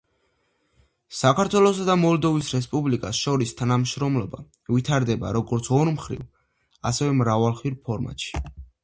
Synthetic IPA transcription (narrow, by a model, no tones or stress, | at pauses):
sakʰaɾt̪ʰwɛlˠɔsad̪amɔlˠd̪ɔvisɾɛspʼublikʼasʃɔɾist̪ʰanamʃɾɔmlɔba̰ | vit̪ʰaɾd̪ɛba̰ɾɔɡɔɾt̪sʰɔɾmχɾḭv | a̰sɛvɛmɾavalˠχwiɾpʰɔɾma̰t̪ʃi̥